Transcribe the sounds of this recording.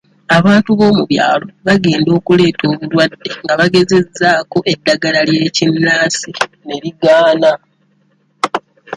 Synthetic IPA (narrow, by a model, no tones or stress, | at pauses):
aβaːntuβo̞ːmuβja̰ːlo̞βaɡe̞ːndo̞ːkule̞ːtʰo̞ːβulwadːe̞ŋɡaβaɡe̞ze̞zːaːko̞ʔe̞dːaɡalalje̞ːcinːaːsine̞ɾiɡaːna